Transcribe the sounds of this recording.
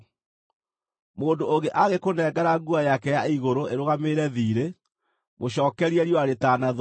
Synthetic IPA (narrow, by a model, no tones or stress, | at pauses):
moːndooɣeʔaɣekonɛːɡaɾaɡuajakɛjaiɣoɾoeɾoɣameɾɛðiːɾe | mʔoɕɔːkɛɾiɛɾjoaɾetanað